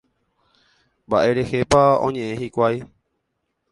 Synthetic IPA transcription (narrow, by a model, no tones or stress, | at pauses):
mbaʔe̞ɾe̞he̞paõ̞̰ɲẽ̞ʔẽhikʷaj